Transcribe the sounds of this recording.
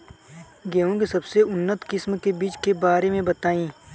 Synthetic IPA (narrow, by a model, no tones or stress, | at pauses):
ɡɛɦõkisɐbseʊnːət̪kɪsmkebiːt͡ʃkebaːɾemẽbɐt̪aːĩː